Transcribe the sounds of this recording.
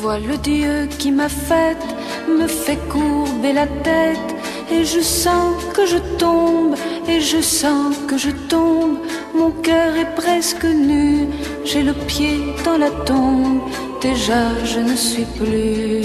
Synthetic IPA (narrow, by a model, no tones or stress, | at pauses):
vwaləd̪jøkʲimafɛt̪ | məfɛkuʁbelat̪ɛt̪ | eʒəsɑ̃kəʒət̪ɔ̃b | eʒəsɑ̃kəʒət̪ɔ̃b | mɔ̃kœʁɛpχɛskəny | ʒɛləpjed̪ɑ̃lat̪ɔ̃b | d̪eʒaʒənəsɥiply